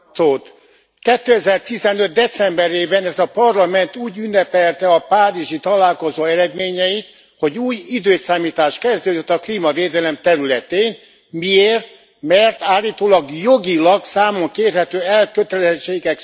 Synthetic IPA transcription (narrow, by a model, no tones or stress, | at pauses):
soːt̪ | kɛt̪ːøɛzɛrt̪izɛnø̞t̪̚d̪ɛt̪sɛmbɛɾeːbɛnɛzɒpɒrlɒmɛnt̪uːɟynːɛpɛlt̪ɛɒpaːɾiʒit̪ɒlaːlko̞zoːɛɾɛd̪meːɲɛjit̪ | ho̞ɟuːjid̪øːsaːmiːt̪aːʃkɛzd̪øːd̪øt̪ːɒkliːmɒveːd̪ɛlɛmt̪ɛɾylɛt̪eːn | mieːrt̪̚ | mɛrt̪aːlːiːt̪oːlɒɡjo̞ɡilɒɡsaːmoŋkeːrɦɛt̪øːɛlkøt̪ɛlɛzɛt͡ʃːeːɡɛk